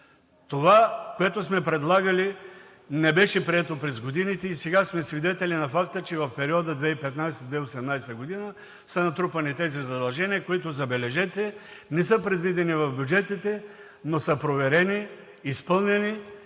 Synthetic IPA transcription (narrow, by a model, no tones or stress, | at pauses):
t̪ovakoɛt̪osmɛpɾɛd̪lˠaɡɐli | nɛbɛʃɛpɾiɛt̪opɾɛzɡod̪init̪ɛisɛɡasmɛsvid̪ɛt̪ɛlinɐfakt̪ət͡ʃɛvɐfpɛɾiɔd̪əd̪vɛipɛt̪najsɛd̪vɛiosɛmnajsɛt̪əɡod̪inə | sɐnɐt̪ɾupɐnit̪ɛzizɐd̪ɐlˠʒɛniəkoit̪ʊzɐbɛlɛʒɛt̪ɛnɛsəpɾɛd̪vid̪ɛnivɐfbʲjud͡ʒɛt̪it̪ɛ | nosəpɾovɛɾɛniː | spɤlˠnɛni